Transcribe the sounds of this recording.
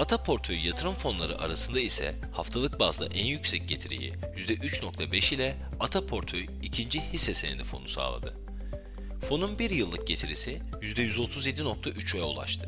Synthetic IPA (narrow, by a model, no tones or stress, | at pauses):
at̪ʰapʰo̞ɾt̪ʰøjjat̪ʰɯɾɯmfo̞nlˠaɾɯʔaɾasɯnd̪aisɛ̰ | haft̪ʰalˠɯk̚bazd̪ˠa̰ʔænjycsɛc̚ɟe̞t̪ʰiɾḛjḭjyzd̪ɛʔyt͡ʃno̞k̚t̪ʰabɛʃilʲɛ | at̪ʰapʰo̞ɾt̪ʰøj | icʰind͡ʒihisːeseɛ̰nd̪ifo̞̰nṵsa̰ːlˠa̰d̪ɯ | fo̞nunbiɾjɯlˠːɯk̚ɟe̞t̪ʰiɾisi | jyzd̪ɛjyzo̞t̪ʰuzje̞d̪ino̞k̚t̪ʰaʔyt͡ʃʰjɛṵlˠa̰ʃt̪ʰɯ